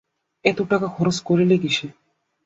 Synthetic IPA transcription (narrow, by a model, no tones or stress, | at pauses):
ɛt̪oʈakakʰɔɾoskoɾeleɡiʃe